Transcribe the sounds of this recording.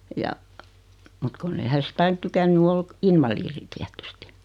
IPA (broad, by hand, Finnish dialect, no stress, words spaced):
jɑ mut kunː ei hæ sit ɑin tykænːy ol inʋɑliːri tiætysti